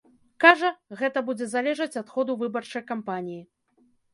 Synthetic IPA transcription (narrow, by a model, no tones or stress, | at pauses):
kaʐɐɣɛt̪ɐbud͡zʲɛzalʲɛʐɐt͡sʲat̪xɔd̪uvɨbɐrt͡ʂɐjkampanʲiji